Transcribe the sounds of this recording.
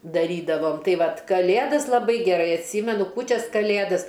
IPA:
dɐˈrʲiːdɐʋoːm ˈtɐɪ ˈʋɐt kɐˈlʲeːdɐs lˠɐˈbɐɪ ɡʲɛˈrɐɪ ɐtʲˈsʲiːmʲɛnʊ ˈkuːt͡ʃʲɛs kɐˈlʲeːdɐs

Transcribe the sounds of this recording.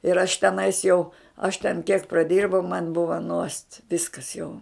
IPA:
ɪr ɐʃ tʲɛˈnɐɪs jɛʊ ɐʃ tʲɛn kʲiɛk prɐˈdʲɪrbɐʊ mɐn ˈbʊʋɐ nuɔst ˈʋʲɪskɐs jɛʊ

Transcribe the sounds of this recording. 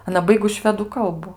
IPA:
ɐˈnɐ ˈbɐɪɡʊs ˈʃʲʋʲæːduː ˈkɐlˠbʊ

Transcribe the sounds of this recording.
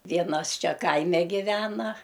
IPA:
ˈʋʲiɛnɐs ˈt͡ʃʲɛ ˈkɐɪmʲɛ ɡʲɪˈʋʲæːnɐ

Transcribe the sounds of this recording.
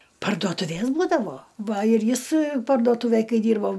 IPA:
pɐrduɔtʊˈʋʲeːs ˈbuːdɐʋoː ˈʋɐ ɪr ˈjɪs pɐrduɔˈtuːʋʲeːj ˈkɐɪ ˈdʲiːrboː

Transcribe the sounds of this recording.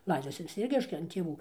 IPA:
ˈlˠɐɪdoːsʲɪ ʋʲɪs ˈt͡sʲiɛk ˈrʲɛɪʃʲkʲɛ ɐn tʲeːˈʋuː

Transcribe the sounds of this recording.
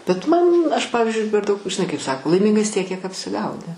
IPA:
bʲɛt ˈmɐn ˈɐʃ ˈpɑːʋʲɪzʲd͡ʒʲʊɪ pʲɛr ˈdɐʊk ʒʲɪˈnɐɪ kɐɪp ˈsɑːkoː lˠɐɪˈmʲɪŋɡɐs ˈtʲiɛk kʲiɛk ɐpʲsʲɪˈɡɐʊnʲɪ

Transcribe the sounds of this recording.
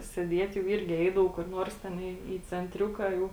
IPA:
sʲeːˈdʲiɛtʲ jɛʊ ˈɪrʲɡʲɪ ˈɛɪdɐʋɐʊ kʊr ˈnuɔrs ˈtʲɛn iː iː t͡sʲɛnʲˈtʲrʲʊkɐ jɛʊ

